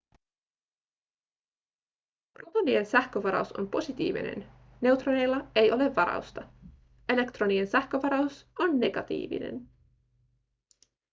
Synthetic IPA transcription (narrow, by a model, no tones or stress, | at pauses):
rot̪onie̞nsæhkøʋɑɾɑ̰uso̞̰mpo̞sit̪ḭːʋḭne̞̰n | ne̞wt̪rone̞jlːɑe̞jo̞le̞ʋːɑɾɑ̰ust̪ɑ | e̞le̞kt̪ro̞niensæhk̟øʋɑɾɑuso̞nːe̞ɡ̥ɑt̪ḭːʋḭne̞̰n